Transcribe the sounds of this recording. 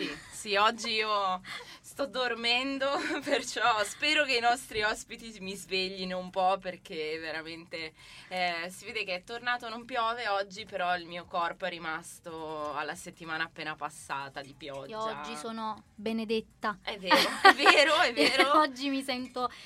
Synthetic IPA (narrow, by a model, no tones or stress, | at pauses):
sisiɔd͡ʒːiiːo | st̪ɔd̪ːormɛnd̪opert͡ʃɔspɛːɾok̟einɔst̪ɾiɔspit̪imizveʎːinoumpɔpːerk̟eveɾament̪e | ɛsiveːd̪ek̟eɛt̪ːornaːt̪onompjɔːveɔd͡ʒːipeɾɔilmiːokɔrpoɛrːimast̪oalːaset̪ːimaːnaːpːeːnapasːaːt̪ad̪ipjɔd͡ʒɔd͡ʒd͡ʒːisoːnobened̪et̪ːaɛvːeːɾoɛvːeːɾoɛvːeːɾoɔd͡ʒːimisɛnt̪o